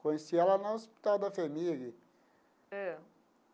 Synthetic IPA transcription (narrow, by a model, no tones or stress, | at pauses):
kõjesiɛlɐnɐospi̥t̪awd̪ɐfemilɐ | ɛ